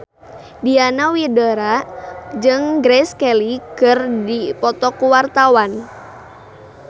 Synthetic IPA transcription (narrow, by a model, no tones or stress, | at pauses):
dianawidəɾad͡ʒɨŋɡɾɛskɛlikɨrdipɔt̪ɔkuwart̪awan